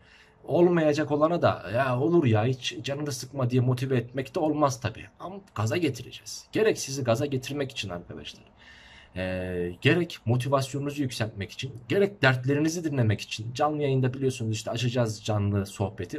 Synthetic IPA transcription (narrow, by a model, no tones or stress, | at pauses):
o̞lˠmajad͡ʒako̞lˠanad̪a̰jao̞lˠuɾjait͡ʃd͡ʒanɯnasɯkmad̪ijɛmo̞t̪ʰivɛːt̪mɛct̪ʰɛo̞lˠmaz̥t̪ʰabḭːamɡ̥azaɟe̞t̪ʰiɾe̞̰d͡ʒɛz̥ɟ̥e̞ɾɛcsiziɡazaɟe̞t̪ʰiɾmɛci̥t͡ʃʰina̰ɾkʰad̪a̰ʃlˠaɾ̥ | ɛɟe̞ɾɛcmo̞t̪ʰivasjo̞nunuzujycʲsælʲt̪̚mɛci̥t͡ʃʰinɟe̞ɾɛc̚d̪æɾt̪lʲe̞ɾinizid̪inlʲe̞mɛci̥t͡ʃʰind͡ʒanlˠɯjajɯnd̪abilʲijo̞sunuziʃt̪ʰɛat͡ʃʰad͡ʒazd͡ʒanlˠɯso̞hpet̪ʰi